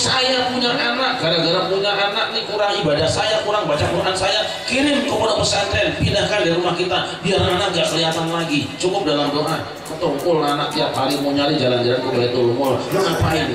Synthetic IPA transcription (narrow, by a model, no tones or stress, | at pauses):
sajapuɲaʔanak̚ɡadaɡaɾapuɲaʔanak̚nihkuɾaŋibadahsajakuɾaŋbat͡ʃapəmunansaja | kiɾɪnkəponapəsant̪ɛnpindahkandiɾumahkit̪abiaranak̚ɡaʔkəliat̪anlaɡit͡ʃukʊp̚dalamdoʔa | kət̪oukʊlanak̚t̪iap̪̚haɾimuɲanid͡ʒaland͡ʒalankəbalait̪ulumʊldaŋapaɪn